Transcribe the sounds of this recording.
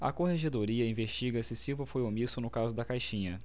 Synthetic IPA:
ɐ̰koheʒed̪oɾiɐĩveʃt͡ʃiɡɐsɪsivɐfojomisʊnʊkazʊd̪ɐkajʃĩɲɐ

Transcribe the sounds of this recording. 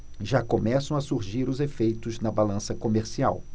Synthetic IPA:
ʒakomɛsɐ̃w̃ɐsuɾʒiɾʊzefejt̪ʊznɐbalɐ̃sɐkomeɾsia̰w

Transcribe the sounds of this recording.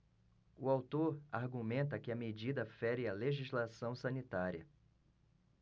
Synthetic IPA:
ʊawt̪oɾaɾɡumẽnt̪̬ɐkɪɐmed͡ʒid̪ɐfɛɾɪɐleʒizlasɐ̃w̃sɐ̃nit̪aɾiɐ̰

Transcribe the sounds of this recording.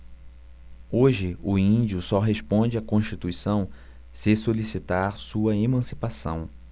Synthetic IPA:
oʒɪʊĩnd͡ʒiʊsɔɦespõd͡ʒɪakõst͡ʃit̪uisɐ̃w̃ | sɪsolisit̪aɾsuɐemɐ̃si̥pasɐ̰̃w̃

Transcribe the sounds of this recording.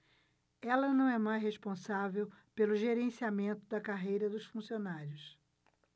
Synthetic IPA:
ɛlɐnɐ̃w̃ɛmajzhespõsavewpelʊʒeɾẽsiamẽnt̪ʊd̪ɐkaɦejɾɐd̪ʊsfũsionaɾjʊs

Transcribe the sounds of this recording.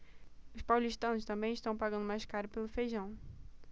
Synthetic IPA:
ʊʃpawliʃt̪ɐ̃w̃ʃt̪ɐ̃mbẽj̃ɪʃt̪ɐ̃w̃paɡɐ̃nd̪ʊmajʃkaɾʊpelˠʊfejʒɐ̃w̃

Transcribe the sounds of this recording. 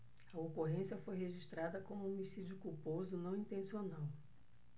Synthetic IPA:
ɐokoɦẽsiɐfojɦeʒiʃt̪ɾad̪ɐkõmũomisid͡ʒʊkupozʊnɐ̃w̃ĩnt̪ẽsionaw

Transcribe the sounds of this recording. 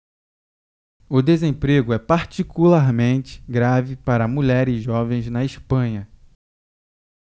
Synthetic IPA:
ʊd̪ezẽpɾeɡʊɛpaɾt͡ʃikulaɾmẽnt͡ʃɪ̥ɡɾavɪpaɾɐmuʎɛɾɪʒɔvẽj̃znɐiʃpɐ̃ɲɐ

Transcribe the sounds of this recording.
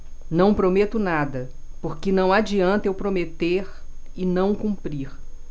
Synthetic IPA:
nɐ̃w̃pɾomet̪ʊnad̪ɐ | poɾkɪnɐ̃w̃ad͡ʒiɐ̃nt̪ewpɾomet̪eɾ | ɪnɐ̃w̃kũpɾiɾ

